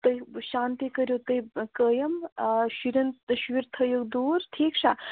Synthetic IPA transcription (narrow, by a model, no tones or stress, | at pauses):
t̪əjʃaːnt̪ikəɾjot̪əjkəːjɐmʃiɾɐnt̪əʃʋiɾt̪ʰəjokd̪uːɾt̪ʰiːkʂʰa